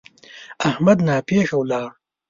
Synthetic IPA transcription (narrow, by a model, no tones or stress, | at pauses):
ahmad̪nɑːpeːxɐwlɑːɽ